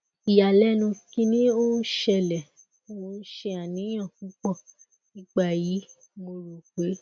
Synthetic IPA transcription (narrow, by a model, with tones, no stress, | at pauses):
i˨ja˨lɛ˦nũ˧kĩ˧nĩ˦o˦ʃɛ˧lɛ˨˦ | wo˧˦ʃe˧a˨nĩ˨˦ã˦˨kũ˨˦k͡pɔ˦˨ | nĩ˨˦k͡pa˦˨ji˨˦ | mo˧ɾo˨k͡pe˨˦